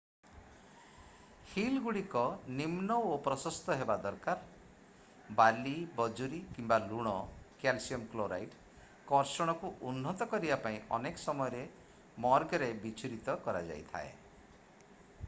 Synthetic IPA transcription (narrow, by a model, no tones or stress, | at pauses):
hilɡuɽikɔnimnɔopɾɔsɔst̪ɔɦebad̪ɔɾkaɾ | balibɔd͡ʒuɾikimbaluɽ̃ɔkalsiɔmkloɾa̰jʈ | kɔɾsɔɽ̃ɔkuʔunːɔt̪ɔkɔɾibapaĩʔɔnekɔ̥sɔmɔjɔɾe | mɔɾɡɔɾebit͡ʃʰuɾit̪ɔkɔɾad͡ʒa̰jt̪ʰa̰ḛ